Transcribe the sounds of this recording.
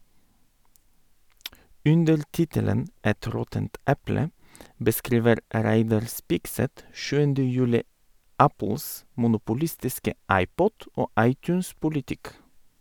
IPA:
ˈʉndəɾ ˈtɪtələn ˈɛt ˈɾɔtənt ˈɛplə bəˈskɾiːʋəɾ ə ˈɾæɪdɑɾ ˈspɪkˌsɛt ˈʃʉːəndə ˈjʉːlɪ ˈæpl̩s mʊnʊpʊˈlɪstɪskə ˈɑɪˌpɔt ˈoː ˈɑɪˌtʉːnspʊlɪˌtɪk

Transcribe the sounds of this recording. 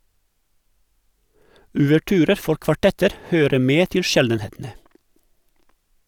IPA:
oːʋəˈʈyːɾəɾ ˈfɔɾ kʋɑˈʈɛtəɾ ˈhøːɾə ˈmeː ˈtɪl ˈʃɛldənˌheːtn̩ə

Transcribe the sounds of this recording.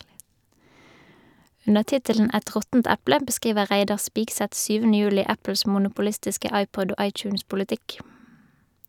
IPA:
ˈʉnəʁ ˈtɪtələn ˈæt ˈʁɔtn̩t ˈæplə bəˈskʁiːʋəʁ ˈʁæɪdɑʁ ˈspiːɡsɛt ˈsyːʋənə ˈjʉːlɪ ˈæpəls mʊnʊpʊˈlɪstɪskə ˈɑɪpɔd ˈoː ˈʔɑɪt͡ʃʉːnspʊlɪˌtɪk

